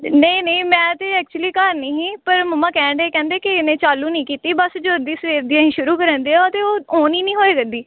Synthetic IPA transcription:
neĩnəĩːmɛ̃ːt̪eːɛːk̚t͡ʃuliːkaɾnĩːɦĩːpəɾməmãːkɛ̃ːɳɖeːkɛ̃ːnd̪eːkɪɪnẽːt͡ʃaːluːnəĩːkiːt̪iːbəsd͡ʒoːɾd̪iːsəʋeːɾd̪iːãːɦĩːʃʊɾuːkəɾə̃nd̪eːãət̪eːoːoːniːnĩːɦoːeːɡəd̪iː

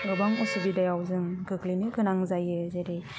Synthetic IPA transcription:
ɡɯbaŋɔsubidajawzɯŋɡɯklinɯkʰɯnaŋzajɯzeɾe

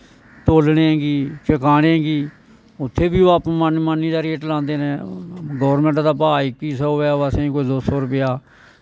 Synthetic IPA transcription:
t̪oːlneːɡiːt͡ʃəkaːɽẽːɡiː | ʊt̪ʰːeːbiːoːaːpːmanmaniːd̪aːɾeːʈlãːnd̪eːnẽːɡɔːɾmẽːɳʈd̪aːpaːikiːsəoːaːəsẽːĩːkoːiːdoːsoːɾʊpɪjaː

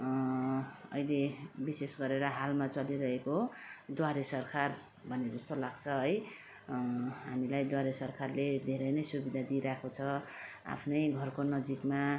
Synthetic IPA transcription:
ʌ̰jlebisesɡʌɾeɾʌɦalmat͡sʌliɾʌɦekod̪waɾesʌrkʰar | bʱʌned͡zʌst̪olaɡt͡sʰʌʌj | ɦamilajd̪waɾesʌrkarled̪ʱeɾʌjnʌjsubid̪ʱad̪iɾakʰot͡sʰʌ | a̰pʰnʌjɡʱʌrkonʌd͡zikma

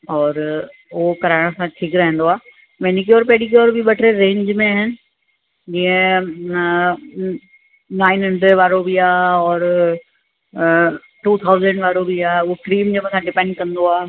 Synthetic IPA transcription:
ɔːɾ | ʊɦokɐɾaːɪɽ̃sãʈʰiːkɾɛɦẽn̆d̪oaː | mɛːnik̬ioːɾpeːɽik̬ioːɾbʱiɓɐʈʰɾeɾẽːɲd͡ʑmẽaːɦɪnɪ̆ | d͡ʑĩːə̃ | naːɪnɦɐ̃ɳɖɾeɖʋaːɾobʱiaːɔːɾ | ʈuːt̪ʰaːʊzə̃ɳɖʋaːɾobʱiaːeʊɦokɾiːmd͡ʑẽmə̃sãɖɪpɛ̃ːɳɖ̚kɐ̃nd̪oaː

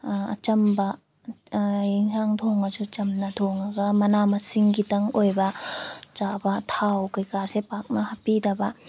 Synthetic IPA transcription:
ɐ̰t͡ʃɐmba | jiŋsaŋtʰoŋad͡ʒut͡ʃɐmnat̪ʰoŋaɡamɐnamɐsiŋɡitɐŋojbɐt͡ʃabatʰawkɯjkaɾsepak̚nahɐpidɐba

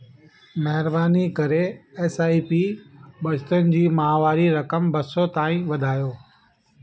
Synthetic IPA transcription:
mɐɦɪɾbaːnikɐɾeeːsaːipiːbɐd͡ʑt̪ənɪ̆d͡ʑiːmɐaːʋaːɾiɾɐkəmbɐsot̪aːĩʋɐd̪ʱaːjoː

